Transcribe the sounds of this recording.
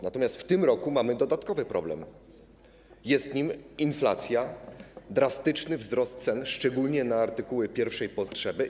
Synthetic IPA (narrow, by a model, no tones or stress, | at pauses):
nat̪ɔmʲjast̪ft̪ɘmɾɔkumamɘd̪ɔd̪at̪kɔvɘpɾɔblɛ̰m | jɛst̪ɲiminfla̰t̪sʲjad̪ɾast̪ɘt͡ʂnɘvzɾɔst̪̚t̪sɛnʂt͡ʂɛɡulɲɛnaːɾt̪ɘkuwɛpʲjɛɾfʂɛjpɔtʂɛbɘ